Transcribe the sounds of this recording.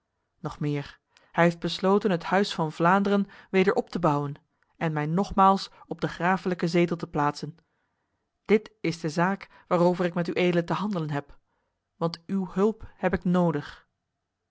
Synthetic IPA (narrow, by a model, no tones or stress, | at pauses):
nɔχmɪːɹ | hɛjɦefd̚bəslowtənɦəthœɥsfɑnvlaːndərənʋejdəɹʔɔptəbʌwən | ɛnmɛjnɔχmaːlˠsɔb̚dəχraːfələkəzeːtəl̩ˠtəplaːtsən | d̥ɪtɪzdəzaːk | ʋaːrowvərɪkmɛtyʔejdələtəɦɑndələnɦɛp | ʋɑntywɦɵlˠphɛpɪknowdəχ